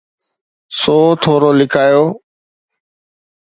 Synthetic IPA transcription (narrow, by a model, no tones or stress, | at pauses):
soːt̪ʰoːɾoːlɪkʰaːjoː